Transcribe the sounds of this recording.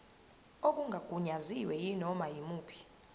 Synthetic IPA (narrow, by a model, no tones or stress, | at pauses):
ok̬ʼuŋɡʱaɡ̥ʱuɲaziwɛjinɔmajimuːpʰi̥